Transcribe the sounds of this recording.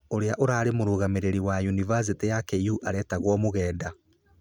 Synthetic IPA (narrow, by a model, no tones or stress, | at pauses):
oɾeaʔoɾaːɾemoɾuːɣameɾeɾiwajunivas̬itejakeuʔaɾɛːtaɣwɔmoɣɛːda